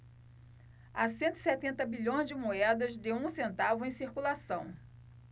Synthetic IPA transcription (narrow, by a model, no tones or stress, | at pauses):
asẽnt̪ʊi̥sɛt̪ẽnt̪ɐbiʎõj̃zd͡ʒɪmoɛd̪ɐzd̪eũsẽnt̪avʊẽj̃siɾkulasɐ̃w̃